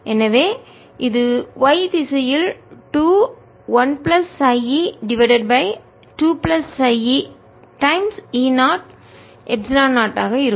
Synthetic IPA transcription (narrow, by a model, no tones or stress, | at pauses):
ʔɛnɐʋeː | ʔɪðɯʋɐɪðɪsɐjɪlʈuː | ʋɐnplɐsɐɪiɖɪʋɐɪɖɐɖ̚bɐɪ | ʈuːplɐsɐɪi | ʈɐɪmsiːnaːʈ | ʔɛbsɪlaːnaːʈːaːɣɐɪɾɯ